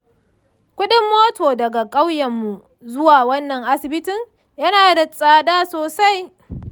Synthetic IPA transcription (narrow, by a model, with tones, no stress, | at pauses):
kʷʊ˦ɗɪ˦mːoː˦toː˨dɐ˨ɡa˨kʼa˦wjɐ˨mːu˨ | zʊ˦waː˨wɐ˦nːɐ˨ŋʔa˦sɪ˨bɪ˦tɪ˨ŋ | jɐ˦naː˨da˨sʼaː˨daː˦soː˨sa˦j